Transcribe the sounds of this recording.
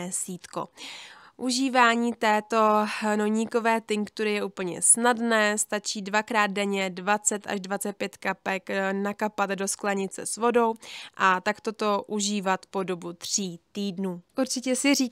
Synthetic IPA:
ɛsiːt̪ko̰ | ʔuʒiːvaːɲiːt̪ɛːt̪o̞noɲiko̞vɛːt̪ɪŋkt̪uɾɪjɛʔuːpl̩ɲɛ̰snadnɛːst̪at͡ʃiːdvakɾaːd̪̚dɛɲɛdvat͡sɛt̪a̰ʒdvat͡sɛt̪̚pjɛt̪kapɛknakapat̪do̞sklaɲɪt̪t͡sɛ̰svo̞do̞wʔat̪akt̪o̞t̪o̞ʔuʒiːvat̪po̞do̞but̪r̝̥iːt̪iːdnuːʔuɾt͡ʃɪcɛsɪɾiː

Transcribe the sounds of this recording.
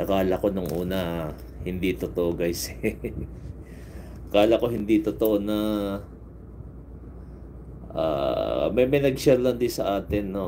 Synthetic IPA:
ʔɐkaːlɐko̞noŋʔuːnɐ | hɪnd̪it̪ot̪oʔoɡajs | kaːlɐko̞ɦɪnd̪it̪ot̪oʔonɐ | ʔa̰ːmɐjmɐjnɐɡ̚sɛɾlɐnd̪ɪsɐʔaːt̪ɪnːo

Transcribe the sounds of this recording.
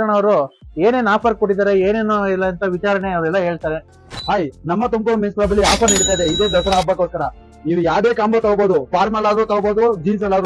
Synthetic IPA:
ɐɳɐʋɐɾue̞ːne̞ːnaːpʰɐɾkoʈːid̪aːɾe̞eːneːnuilːɐɐnt̪ʰɐʋit͡ʃaːɾɐɳeɐʋɾɛlːɐɦe̞ːɭt̪aːɾe | ɦaːjnɐmːɐt̪umkoɾminsbaːbɐlːiaːpʰɐniɽt̪aːjd̪eid̪eːd̪ɔsɐɽaːbeːkoskɐɾɐ | iːʋujaːd̪eːkaːmbot̪ɐɡboːd̪upaːɾmɐlaːd̪ɾut̪ɐɡboːd̪ud͡ʒins̬ɐlːaːd̪

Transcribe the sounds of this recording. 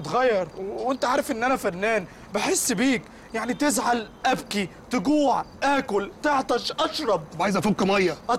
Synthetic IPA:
t̪ɣæjːɑɾˤwent̪æʕaːɾefʔenːʔænæfænːæːn | beħesːbiːk | jaʕnit̪ɪzʕalʔæbkit̪ɪɡuːʕtʔæːkʊlt̪eʕt̪ˤɑʃʔɑʃɾˤɑb̚ʕajzʔæfokːmɑjːæʔɑ

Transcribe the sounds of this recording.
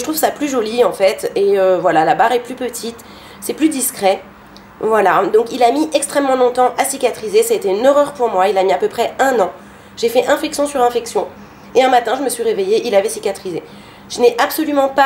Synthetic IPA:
ʒət̪χuvsaplyʒɔliɑ̃fɛt̪eøvwalalabaʁɛplypət̪ʰit̪ | sɛplyd̪iskχɛ | vwalad̪ɔ̃kilamiʔɛkst̪χɛmːɑ̃lɔ̃t̪ɑ̃ʔasikʲat̪χizesaet̪eynøʁœʁpuʁmwailamiapøpχɛɛ̃nɑ̃ | ʒefɛʔɛ̃fɛksjɔ̃syʁɛ̃fɛksjɔ̃ | eɛ̃mat̪ɛ̃ʒəməsɥiʁevejeʔilavɛsikʲat̪χize | ʒ̥ənɛʔabsɔlymɑ̃pa

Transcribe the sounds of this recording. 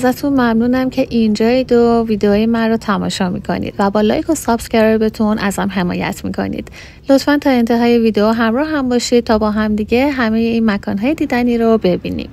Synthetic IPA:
zæt̪ʰunmæmnuːnæmcʰe̞ʔind͡ʒɒːjid̪oviːd̪eoːjemænrot̪ʰæmɒ̰ːʃɒːmḭkʰo̞̰nḭːd̪̥væbɒːlɒ̰jkʰosɒːpsceɾɒɾbet̪ʰunʔæ̰z̥hæmɦe̞mɒ̰ːjæ̰t̪ʰmḭkʰo̞̰nḭd̪̥ | lo̞t̪fænt̪ʰɒːe̞nt̪ʰe̞ɦɒːje̞viːd̪eoɦæmɾɒːhæmbɒːʃid̪̥̚t̪ʰɒːbɒːɦæmd̪iɟe̞ɦæme̞jeiːnmækʰɒːnɦɒːjed̪iːd̪æniːɾobe̞bḭːnḭm

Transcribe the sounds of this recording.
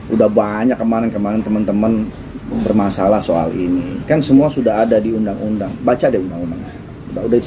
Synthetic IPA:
ʔudahbaɲakːəmanankəmanant̪əmənt̪əmən | bərmasalahsoa̰lʔinḭkansəmuasudaɦadadiundaŋundaŋbat͡ʃadɛundaŋundaŋa | udaudai

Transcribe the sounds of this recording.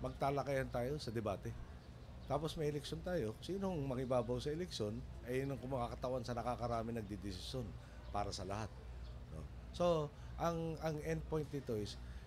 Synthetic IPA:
mɐɡ̚t̪aːlɐkɐjɐnt̪aːjo̞sɐd̪ɛbaːt̪ɛ | t̪aːpo̞smɐjɛlɛkʃont̪aːjo̞siːnoŋmɐŋɪbaːbɐwsɐɛlɛkʃo̞nʔɐjɪnoŋkʊŋmɐkakɐt̪ɐwansɐnɐkakɐɾaːmɪnɐɡ̚d̪ɪd̪ɪsɪsjo̞n | paːɾɐsɐlɐhat̪̚ | no̰ | so̞ | ʔɐŋɐŋɛn̚pojnt̪̚nɪt̪o̞ʔɪs

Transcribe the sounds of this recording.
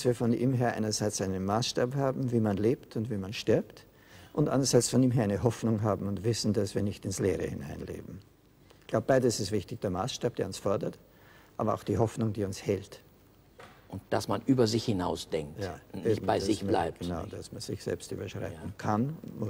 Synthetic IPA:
d̥asviːɐfɔnʔḭːmɦeːɐʔa̰ɪnɐzaɪt͡saɪnənmaːsʃtaːphaːbm̩viːmanleːptʊntv̥iːmanʃtɪɐpt | ʔʊntʔa̰ndɐzaɪsfɔniːmɦeːɐʔæɪnəɦɔfnʊŋɦaːbm̩ʊntv̥ɪsn̩dasv̥iːɐnɪçtɪnsleːʁə̰hɪ̰na̰ɪnlḛːbm̩ | ɡ̥laʊbəb̥aɪdəsɪstv̥ɪçtɪçd̥eːɐmaːsʃtaːp̚d̥eːɐʊnsfɔɐdɐt | ʔaːbɐaʊxd̥iːɦɔfnʊŋd̥iːʊnshɛlt | ʔʊnt̚d̥asmanʔyːbɐzɪçhɪnaʊsd̥ɛŋk̚jaːʊnneɪːçm̩baɪdzɪçmlaɪpɡ̥ənaʊd̥asmanz̥ɪçz̥ɛ̰lpsty̰ːbɐʃʁ̥a̰ɪtn̩kʰanʊntmʊ

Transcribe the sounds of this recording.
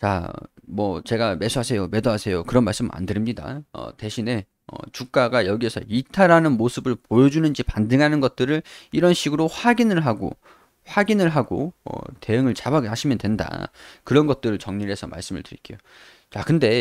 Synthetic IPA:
t͡ɕa̰mwʌt͡ɕe̞ɡame̞sʰuɦasʰe̞jome̞doɦasʰe̞jokɯɾʌnmaɭs͈ɯmɯa̰ndɯɾimɲida̰ʌ̰te̞ɕʰine̞ | ʌ̰t͡ɕuk̚k͈aɡajʌɡie̞sʰʌ̰itʰaɾanɯnmosʰɯbɯɭpojʌd͡ʑunɯnd͡ʑipandɯŋɦanɯnɡʌt̚t͈ɯɾɯɭiɾʌnɕʰiɡɯɾoɸaɡinɯɭɦaɡo̰ | ɸwaɡinɯɭɦaɡoʌ̰te̞ɯŋɯɭt͡ɕabaɡaɕʰimjʌndwe̞nda̰kɯɾʌnɡʌt̚t͈ɯɾɯɭt͡ɕʌŋɲiɾe̞sʰʌma̰ɭs͈ɯmɯ̰ɭtɯɾḭk͈ḛjo | t͡ɕakɯnde̞

